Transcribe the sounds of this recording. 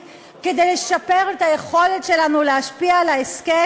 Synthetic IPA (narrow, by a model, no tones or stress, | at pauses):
ke̞de̞jleʃape̞ʁetaje̞χo̞letʃe̞lanuleɦaʃpialaeske